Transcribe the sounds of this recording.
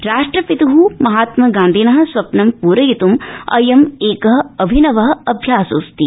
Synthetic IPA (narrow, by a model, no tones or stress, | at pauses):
ɾaːʂʈɾɐpit̪ɐɦumɐɦaːt̪mɐɡãːnd̪ʱinɐɦɐ̆sʋɐpnɐmpuːɾɐjit̪umɐ̰jɐmeːkɐɦɐɐbʱinɐʋɐɦɐɐbʱjaːsuːst̪i